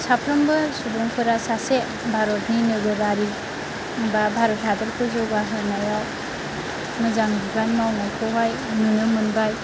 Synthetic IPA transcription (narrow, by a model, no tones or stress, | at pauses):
sapʰɾɯmbɯsubɔŋpʰɯɾasase | bʱaɾɔtninɯɡɯɾaɾi | ŋbabʱaɾɔtɦadɯɾkʰɯzɔwaɦɯnajaw | mɯzaŋdibanmawnajkʰɯɦaj | nɯnɯmɯnbaj